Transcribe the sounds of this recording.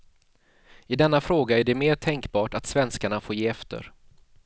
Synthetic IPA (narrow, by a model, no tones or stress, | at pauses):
ɪd̪ɛnːafɾoːɡaæɖɛmeːʈʰɛŋkbɑːʈat̪svɛnskaɳafoːjeːɛft̪ə̰ɾ